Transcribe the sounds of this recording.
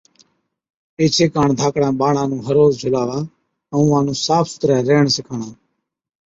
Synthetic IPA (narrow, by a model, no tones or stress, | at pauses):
eːt͡ʃʰeːkaːɳd̪ʱaːkɽãːɓaːɳãːnũːɦəɾoːzd͡ʒʱʊlaːʋaː | əũːãːnũːsaːpʰsʊ̥t̪ɾɛ̃ːɾeːɳsɪkʰaːɳãː